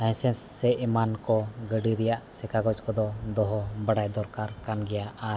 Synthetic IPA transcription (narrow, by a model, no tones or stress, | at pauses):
aj̃sɛnsːɛʔmankɔɡəɖiɾɛjaʔsɛkaɡɔt͡ʃkɔd̪ɔd̪ɔɦɔbəɽajd̪ɔɾkaɾkanɡɛjaaɾ